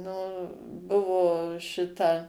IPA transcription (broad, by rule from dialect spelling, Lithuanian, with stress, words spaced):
nʊ ˈbʊʋoː ˈʃʲɪtɐ